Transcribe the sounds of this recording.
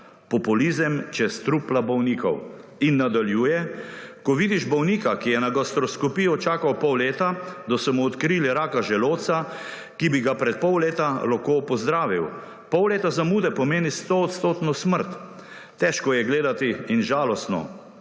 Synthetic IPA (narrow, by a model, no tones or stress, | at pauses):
pɔpulizəmt͡ʃɛst̪ɾuplabɔwniːkɔ̰winːad̪aljuːjɛkɔʋid̪iʒbɔwniːkakijɛnaɡast̪ɾɔskɔpijɔt͡ʃaːkawpɔwleːt̪ad̪ɔsɔmuːt̪kɾiːliɾaːkaʒɛloːsa | kibiɡapɾɛt̪̚pɔwleːt̪alakopɔzd̪ɾaːʋiw | pɔwleːt̪azamuːd̪ɛpɔmeːnist̪oːt̪st̪oːt̪nɔsməɾt̪ː | ɛʃkɔjɛɡleːd̪at̪iinʒaːlɔst̪nɔ̰